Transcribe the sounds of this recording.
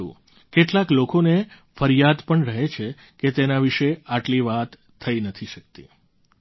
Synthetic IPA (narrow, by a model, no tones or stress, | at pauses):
ṵ̃ | keʈlaklokone | fəɾjad̪pəɳɾəɦet͡ʃʰe | ket̪enaʋiʃeaʈliʋat̪ʰːəinət̪ʰiʃəkt̪ḭ